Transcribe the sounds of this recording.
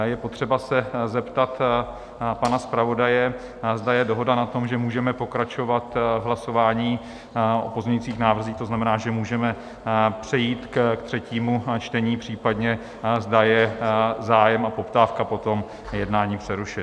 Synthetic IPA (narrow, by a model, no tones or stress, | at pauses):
jɛpo̞t̪r̥ɛbasɛzɛpt̪at̪ | panaspɾavo̞dajɛ | zd̪ajɛdoɦo̞danat̪o̞mʒɛmuːʒɛmɛpo̞kɾat͡ʃo̞vat̪vɦlaso̞vaːɲiː | ʔo̰po̞zmɲɛɲiːt͡siːxnaːvr̩ziːxt̪o̞znamɛnaːʒɛmuːʒɛmɛ | pr̝̥ɛjiːt̪kkt̪r̝̥ɛciːmut͡ʃt̪ɛɲiːpr̝̥iːpadɲɛ | zdajɛzaːjɛmapo̞pt̪aːfkapo̞t̪o̞m | jɛdnaːɲiːpr̝̥ɛɾuʃɪt